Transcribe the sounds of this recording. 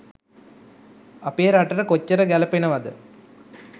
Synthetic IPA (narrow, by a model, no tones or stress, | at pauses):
ɐpeːɾaʈɐɾəkot͡ɕːɐɾəɡælɐpenəʋɐd̪ə